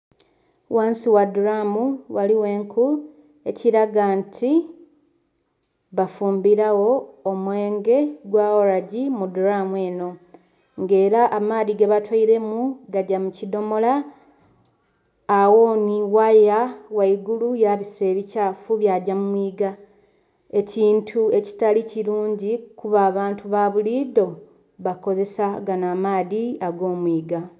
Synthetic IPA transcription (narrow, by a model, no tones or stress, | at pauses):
wʔaːnsiwaduɾamuwaliwe̞ːŋkʰu | e̞ciɾaɡantʰi | βafuːmbiɾawo̞ːmwe̞ːŋɡe̞ɡwaːwoɾaɟimuduɾamue̞ːno̞ | ŋɡe̞ːɾaʔːmaːðiɡeβatwaiɾe̞muɡaɟamucido̞mo̞la | wo̞ːniwajawaiɡulujaβise̞ːβicaːfuβjaɟamumwiːɡa | e̞ciːntʰue̞ci̥taliciɾuːɲɟikuβaːβaːntuβaβulido̞ | βako̞ze̞saɡanaːmaːðiaɡo̞ːmwiːɡa